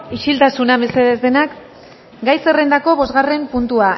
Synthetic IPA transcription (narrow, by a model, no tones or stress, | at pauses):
iʃilt̪asunaβe̞se̞ðezðe̞nak | ɡajse̞rend̪ako̞βo̞zɣare̞mpunt̪ua